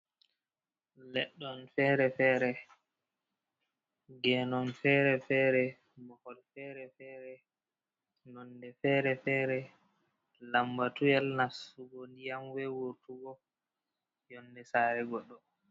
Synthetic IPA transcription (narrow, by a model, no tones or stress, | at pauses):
lɛɗːɔnfɛːɾɛfɛːɾɛ | ɡɛnɔnfɛɾɛfɛɾɛ | mɔhɔlfɛːɾɛfɛːɾɛ | nɔndɛfɛːɾɛfɛɾɛ | lambatujɛlnasuɡondijamwɛwoɾtuɡɔ | jɔnːdɛsaːɾɛɡɔɗːɔ